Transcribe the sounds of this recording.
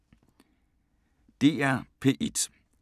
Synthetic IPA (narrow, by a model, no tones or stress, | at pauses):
d̥e̝̰ːæɐ̰pʰe̝̰ːʔid̥